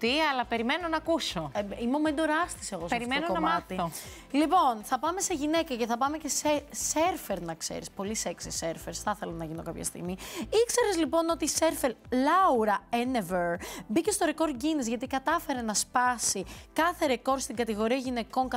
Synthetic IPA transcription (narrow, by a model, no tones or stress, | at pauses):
t̪iɐlɐpeɾimenonɐkusoimo̞mend̪o̞ɾɐst̪i̥seɣosɐɾimenokonɐmɐt̪io | lipo̞nθɐpɐme̞seʝine̞kɐce̞θɐpɐme̞ce̞seseɾfeɾnɐksḛɾispo̞liseksiseɾfeɾsθɐθe̞lonɐʝino̞kɐpçɐ̰st̪ḭɣmiikse̞ɾezlipo̞no̞t̪iseɾfeɾlɐuɾɐeneveɾbice̞st̪o̞ɾeko̞ɾɟinizʝɐt̪̬ikɐt̪ɐfe̞ɾe̞nɐspɐsikɐθe̞ɾeko̞ɾst̪iŋɡɐt̪iɣo̞ɾiɐʝineko̞ŋkɐ